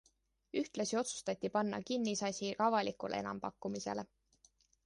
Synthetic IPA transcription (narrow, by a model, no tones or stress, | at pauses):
yht̪lɑsio̞t̪su̥st̪ɑt̪ʲːipɑnːɑ̰kinːisɑsʲiʔɑvɑlikulʔee̞nɑ̰mpɑkːumise̞̰le